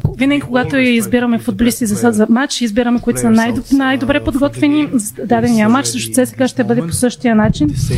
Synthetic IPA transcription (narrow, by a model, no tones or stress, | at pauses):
vinɐɡʲikoɡat̪oizbiɾɐmɛfud̪̚bolʲiskʲizɐsad̪zɐmat͡ʃizbiɾɐmɛkoit̪o̥sɐnaj̪najd̪obɾɛpod̪ɡɔt̪vɛnizd̪ad̪ɛnijəmat͡ʃsɤʃt̪ot̪sɛsɛ̥ɡaʃt̪ɛbɤd̪ɛpo̥sɤʃt̪ijənat͡ʃin